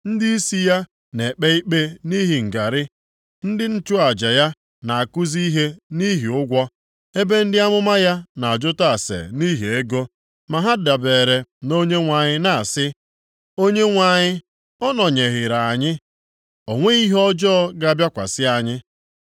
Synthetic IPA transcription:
n̩˦di˦i˦si˦ja˦ | ne˨k͡pe˦i˦k͡pe˦ni˦ɦi˨ŋ̩˨ɡa˨ɾɪ˦ | n̩˦dɪ˦n̩˦tʊ˦a˨d͡ʒa˨ja˦ | na˨a˨kʊ˦zi˦ɦe˦ni˦ɦi˨ʊ˦ɡʷɔ˦ | e˦be˦n̩˦dɪ˦a˦mʊ˦ma˦ja˦na˨a˨d͡ʒʊ˦ta˨sḛ˨ni˦ɦi˨e˦ɡo˦ | ma˨ɦa˦da˨beː˨ɾe˨no˦ɲe˦ŋʷa˨ɲɪ˦na˨sɪ˦ | o˦ɲe˦ŋʷa˨ɲɪ˦ | ɔ˦nɔ˨ɲe˨ɣɪ˨ɾa˨a˨ɲɪ˦ | o˨ŋʷe˦i˦ɦɔ˦d͡ʒɔː˦ɡa˦a˦bja˦kʷa̰˨sɪ˦a˦˨ɲɪ˦

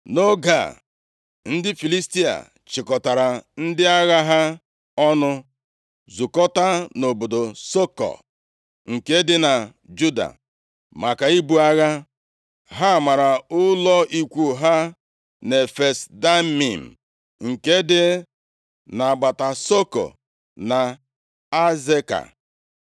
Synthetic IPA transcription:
no˦ɡa̰˨ | n̩˦dɪ˦fi˨li˦sti˦a̰˨ | t͡ʃɪ˨kɔ˨ta˨ɾa˨n̩˦dɪ˦a˦ɣa˦ɦa˦ | ɔ˦nʊ˦ | zu˨kɔ˦ta˦no˨bo˨do˨so˦kɔ̰˨ | ŋ̩˨ke˦dɪ˦na˨ | d͡ʒu˦da̰˨ | ma˨ka˨i˦bu˦a˦ɣa˦ | ɦa˦˨ma˨ɾa˨ʊ˦lɔ˦ʔi˦kʷu˦ɦa˦ | ne˨fe˨sda˦mi˨m̩˨ | ŋ̩˨ke˦dɪ˦ | na˨ɡ͡ba˨ta˨so˦ko̰˨ | na˨ | a˦ze˦ka̰˨

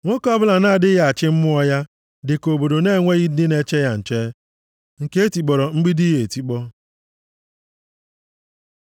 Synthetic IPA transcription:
ŋʷo˦kɔ˦bʊ˦la˨na˦˨dɪ˦ɣa˨a˨t͡ʃɪ˦m̩˦mʊ˦ɔ˦ja˦ | dɪ˨ko˨bo˨do˨ne˦˨ŋʷe˦ɣi˦dɪ˦ne˦t͡ʃe˦ja˦n̩˨t͡ʃe˦ | ŋ̩˨ke˦e˦ti˨k͡pɔ˨ɾɔ˨ŋ͡m̩˦ɡ͡bi˦di˦ɦe˨ti˦k͡pɔ˦

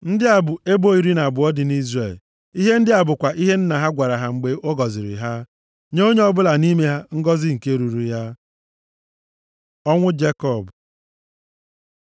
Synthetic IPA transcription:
n̩˦dɪ˦a˨bʊ˨e˦bo˦i˨ɾi˦na˨bʊ˨ɔ˦dɪ˨ni˦zre˦˨l | i˦ɦe˦n̩˦dɪ˦a˨bʊ˨kʷa˨ʔi˦ɦe˦n̩˦na˨ɦa˦ɡʷa˨ɾa˨ɦa˨ŋ͡m̩˨ɡ͡be˨ʔo˦ɡɔ˨zɪ˨ɾɪ̰˨ɦa˦ | ɲe˦o˦ɲe˦ɔ˦bʊ˦la˨ni˦me˦ɦa˦ŋ̩˦ɡɔ˦zɪ˦ŋ̩˨ke˦ɾu˨ɾu˨ja˦ | ɔ˦ŋʷʊ˦d͡ʒe˦kɔ˦˨b

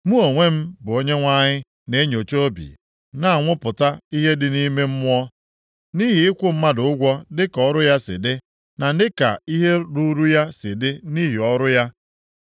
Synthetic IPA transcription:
mu˦o˨ŋʷe˦m̩˦bʊ˨o˦ɲe˦ŋʷa˦ɲɪ˦ | ne˦ɲo˨t͡ʃo˦bḭ˨ | na˦˨a˨ŋʷʊ˦pʊ˨ta˦i˦ɦe˦dɪ˨ni˦me˦m̩˦mʊ˦ɔ˦ | ni˦ɦi˨ɪ˦kʷʊ˦m̩˦ma˦dʊ˨ʊ˦ɡʷɔ˦dɪ˦kɔ˦ɾʊ˦ja˦sɪ̰˨dɪ˦ | na˨n̩˦dɪ˦ka̰˨i˦ɦe˦ɾu˦ɾu˦ja˦sɪ˨dɪ˦ni˦ɦi˨ɔ˦ɾʊ˦ja˦

